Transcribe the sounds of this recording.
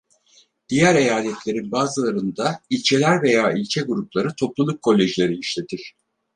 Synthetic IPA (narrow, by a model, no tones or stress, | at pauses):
d̪̥ijæɾe̞jaːlʲɛt̪lʲe̞ɾinbaːzɯlˠaɾɯnd̪ailʲt͡ʃʰe̞lʲæɾve̞jaːilʲt͡ʃʰɛɡuɾuplˠaɾɯt̪ʰo̞plˠulˠukʰːo̞lʲːeʒilʲe̞ɾiiʃlʲe̞t̪ʰiɾ̥